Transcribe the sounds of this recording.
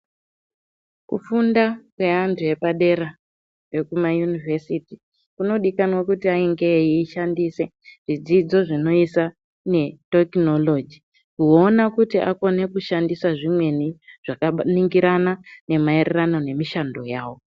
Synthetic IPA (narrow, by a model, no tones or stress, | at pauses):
kṵfundakwe̞antʰuje̞paɗe̞ɾa | we̞kumajunivʱesiti | kuno̞ɗikanwakutiaiŋɡe̞iːʃandise̞ | ʐ̥id͡zid͡zo̞ʐino̞isa | ne̞tekno̞lo̞d͡ʒi | kuo̞nakutiʔako̞ne̞kuʃandisaʐimwe̞niʐ̥akaniŋɡiɾanane̞mairerano̞ne̞miʃando̞jaːwo̞